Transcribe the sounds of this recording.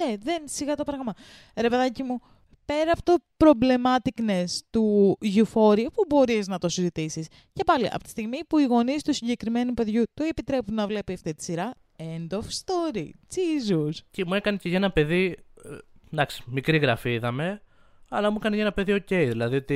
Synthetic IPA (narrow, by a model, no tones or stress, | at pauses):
eðe̞nsiɣɐt̪opɾɐɣmɐ | ɾe̞pe̞ðɐcimu | pe̞ɾɐpot̪o̞pɾo̞ble̞mɐt̪iknest̪uʝufo̞ɾipubo̞ɾiznɐt̪o̞sizit̪isis | ce̞pɐlḭʔɐ̰pot̪i̥st̪iɣmipuiɣo̞nist̪usiɲɟe̞kɾime̞nupe̞ðʝut̪oe̞pit̪ɾe̞punnɐvle̞piɐft̪it̪i̥siɾɐ | e̞nd̪o̞fst̪o̞ɾit͡sizuscemuekɐneceʝɐenɐpe̞ði | d̪ɐksi̥mikɾiɣɾɐfiiðɐme̞ | ɐlɐmuekɐnecɐenɐpe̞ðio̞ce̞jðilɐðio̞t̪i